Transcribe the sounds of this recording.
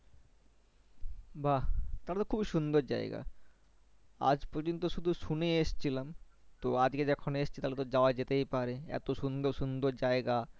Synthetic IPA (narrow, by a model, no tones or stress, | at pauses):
bʱat̪aɾat̪okʰubiʃund̪oɾd͡ʑa̰eɡa̰ | a̰d͡ʑpɔɾd͡ʑont̪oʃud̪ʱuʃuneeʃt͡ɕʰilam | t̪oad͡ʑked͡ʑɛkʰoneʃt͡ɕʰi̥t̪alet̪od͡ʑaoad͡ʑet̪ejpaɾeɛ̰t̪oʃund̪oɾʃund̪oɾd͡ʑaeɡa